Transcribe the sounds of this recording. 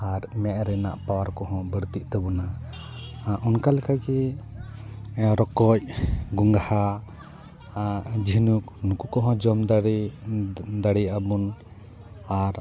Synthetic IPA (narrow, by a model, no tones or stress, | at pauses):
aɾmɛʔɾɛna̰ʔpawaɾkɔɦɔ̃bəɾt̪iʔt̪ɛbɔna | ʔunkalɛkajkɛ | ɾɔkɔc̚ɡuŋɡaha | d͡ʒinuk̚nukukɔɦɔ̃d͡ʒɔmd̪ | d̪aɽiabun | aɾ